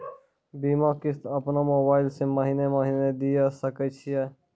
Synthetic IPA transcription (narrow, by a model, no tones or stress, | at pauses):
biːmãːkɪst̪ɐpnaːmoːbaːɪlsemɐɦiːnemaɦiːned̪ijaːsɐkət͡ʃʰijeː